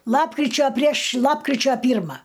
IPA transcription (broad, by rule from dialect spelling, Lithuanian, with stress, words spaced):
ˈlˠɑːpkrʲɪt͡ʃʲoː pʲrʲiɛʃ ˈlˠɑːpkrʲɪt͡ʃʲoː ˈpʲiːrmɐ